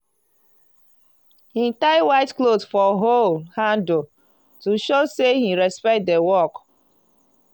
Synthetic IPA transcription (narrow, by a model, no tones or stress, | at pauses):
hitaɪwaɪtklosfɔɦolhãndo | tuʃosehiɹɛspɛk̚t̚dewɔk